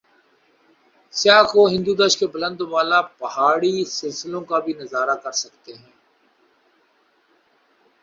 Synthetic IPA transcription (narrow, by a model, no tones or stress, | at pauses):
sjaːxoɦɪ̃nd̪ud̪əʃkebɐlə̃nd̪ʋaːlapɐɦaːɽisɪlsɪlõkabʱinɐzaːɾakɐɾsɐkt̪eɦɛ̃ː